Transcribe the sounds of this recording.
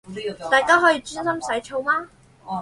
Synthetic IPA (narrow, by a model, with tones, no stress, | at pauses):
t̪aː˨jkaː˥ɦɔː˨˥jiː˧t͡ʃyː˥nsɐ˥msɐ˨˥jt͡ʃʰo˧wmaː˥